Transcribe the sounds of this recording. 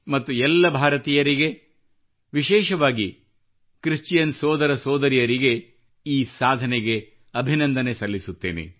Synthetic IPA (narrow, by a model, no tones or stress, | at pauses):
mɐt̪ːuɛlːɐbʱaːɾɐt̪iːjɐɾiɡe̞ | ʋiʃɛːʃɐʋaːɡi | kɾist͡ʃjɐnsɔːd̪ɐɾɐsɔːd̪ɐɾijɐɾiɡe̞ | iːsaːd̪ʱɐneɡe̞ | ɐbʱinɐnd̪ɐnesɐlːisut̪ːeːnḛ